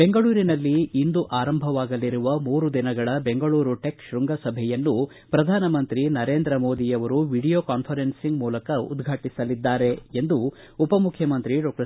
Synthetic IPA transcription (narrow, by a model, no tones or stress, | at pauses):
beŋɡɐɭuːɾinɐlːiːnd̪uʔaːɾɐmbʱɐʋaːɡɐliɾuʋɐmuːɾud̪inɐɡɐɭɐbeŋɡɐɭuːɾuʈekʃɾuŋɡɐsɐbʱɛjɐnːu | pɾɐd̪ʱaːnɐmɐnt̪ɾinɐɾeːnd̪ɾɐmo̞ːd̪ijɐʋɐɾuʋiɽijoːkaːnpʰɐɾensiŋɡmuːlɐkɐṵd̪ɡʱaːʈisɐlid̪ːaːɾe̞end̪uː | pɐmukʰjɐmɐnt̪ɾiɖoːk̚ʈɐ